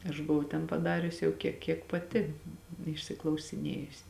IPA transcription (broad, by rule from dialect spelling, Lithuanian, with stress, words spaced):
ɐʃ bʊˈʋɐʊ tʲɛn pɐˈdɑːrʲʊs jɛʊ kʲiɛ ˈkʲiɛk pɐˈtʲɪ ɪʃʲsʲɪklˠɐʊsʲɪˈnʲeːjʊsʲɪ